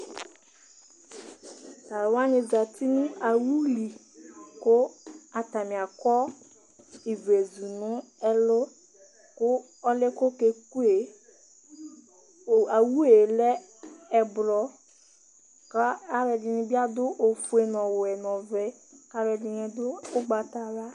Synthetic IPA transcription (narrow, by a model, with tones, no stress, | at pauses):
ta˨ɾwa˦nɪ̃˨za˨t̪i˦nũ˦a˨wu˦li˨ | kʊ˦a˨t̪a˨mĩ˨a˨kɔ˦ | i˨ve˨zu˨nʊ̃˦ɛ˦lʊ˦ | kʊ˦ | ɔ˦le˦ko˦ke˨ku˦e˨ | a˨wu˦e˨lɛ˦ | ɛ˨bɾɔ˦ | ka˦a˦ɾɛ˨dɪ˨nĩ˨bi˦a˦d̪ʊ˦ʔo˨fu˦e˨nɔ̃˨wʊ˨ɛ˨nɔ̃˨vɛ˦ | ka˦ɾɛ˨di˨ɲɛ̃˨d̪ʊ˦ɡ͡ba˨t̪a˨ɾa˦